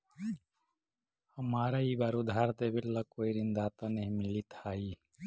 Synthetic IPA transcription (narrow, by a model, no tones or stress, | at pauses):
həmaːɾaiːbaːɾod̪ʱaːɾt̪ebɪlːakoːiɾɪnd̪aːt̪ãneɦimɪlit̪ʰaːiː